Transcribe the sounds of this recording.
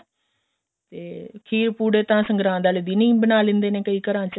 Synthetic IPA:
t̪eːkʰiːɾpuːɽeːt̪ãːsə̃ŋɡɾãːd̪aːleːd̪iːnĩːbənaːlɪ̃nd̪eːnẽːkəiːkəɾãːt͡ʃə

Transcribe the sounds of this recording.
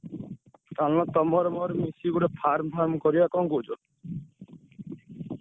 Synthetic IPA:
t̪alɔt̪ɔmɔɾɔmɔɾɔmisiɡuɾepʰaɾmbʰʱaɾmɔkɔɾibakɔŋkud͡ʒɔ

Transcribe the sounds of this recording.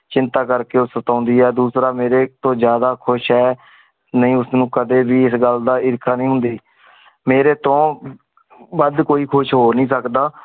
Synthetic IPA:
t͡ʃɪnt̪aːkəɾkeːʊssət̪ãːʊnd̪iːɛːd̪uːsɾaːmeːɾeːt̪õːd͡ʒjaːd̪aːkʰʊʃɦɛː | nəĩːʊsnũːkəd̪eːbiːɪsɡəld̪aːɪɾɪkʰaːnĩːɦʊ̃nd̪iː | meːɾeːt̪õː | bəd̪koːiːkʰʊʃɦoːɾnĩːsəkd̪aː

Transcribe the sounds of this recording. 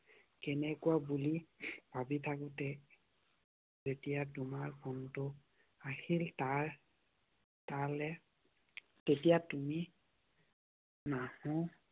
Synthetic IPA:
kɛnɛkuabulib̥ʱabitʰakʊtɛ | zetijatumaɹkʰɔntʊ | ahiltaɹ | talɛ | tetijatumi | nahɔ̃

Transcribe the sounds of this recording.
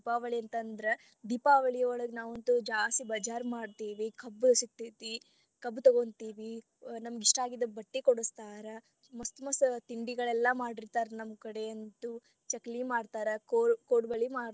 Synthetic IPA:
ipaːʋɐɭiɐnt̪ɐnd̪ɐɾe | d̪ipaːʋɐɭijɐɔɭɐɡenaːʋɐnt̪ud͡ʒaːst̪ibɐd͡ʒaːɾmaːɖt̪iːʋikɐbːsit̪ːit̪i | kɐbːt̪ɐɡont̪iːʋi | nɐmɐɡiʂʈaːɡid̪ɐbɐʈːikoɽust̪aːɾɐ | mɐst̪mɐst̪iɳɖiɡɐɭɛlːɐmaːɖiɾt̪aːɾɐnɐmkɐɽeɐnt̪u | t͡ʃɐklimaːɖt̪aːɾɐkokoːʈbɐɭimaː

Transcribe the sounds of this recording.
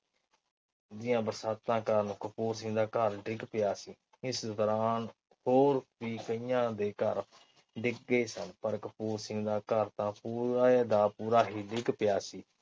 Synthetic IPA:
d͡ʒɪjãːbəɾsaːt̪ːãːkəɾnũːkəpuːɾs̬ɪ̃ŋɡd̪aːkəɾɖɪɡpɪjaːsiː | ɪsd̪ɔɾaːn | hoːɾpiːkəijãːd̪eːkəɾ | ɖɪk̚ɡeːsənpəɾkəpuːɾsɪ̃ŋɡd̪aːkəɾt̪ãːpuːɾaːd̪aːpuːɾaːɦiːɖɪɡpɪjaːsiː

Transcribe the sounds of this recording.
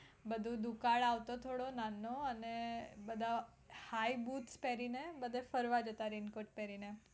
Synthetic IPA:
bəd̪ʱũd̪ʱukaɭaʋt̪ot̪ʰoɽonanːoənebəd̪ʱa | haibut̪spɛɾinebəd̪ʱefəɾʋad͡ʒət̪aɾinkoʈ̚pɛɾine

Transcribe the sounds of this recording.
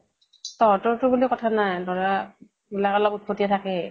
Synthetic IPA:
tɔɹtʊɹtʊbulikɔtʰanajnɔɹa | bulakɔlɔbut̚kʰotijatʰakɛ

